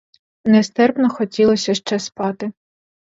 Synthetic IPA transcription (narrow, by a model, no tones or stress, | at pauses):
nɛst̪ɛrpnɔxɔtʲilˠɔsʲɐʃt͡ʃɛspɑt̪ɪ